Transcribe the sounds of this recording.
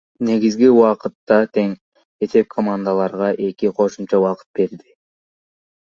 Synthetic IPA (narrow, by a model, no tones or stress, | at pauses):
ne̞ɡizɡiuwɑqɯt̪ːɑt̪ʰe̞ŋ | e̞se̞p̚kʰomand̪alˠɑɾʁɑʔe̞kiqʰo̞ʃumt͡ʃɑwɑqɯ̥t̪̚be̞ɾd̪i